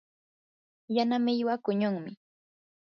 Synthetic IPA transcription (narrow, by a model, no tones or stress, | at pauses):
janamɪʎwakʊɲʊŋmɪ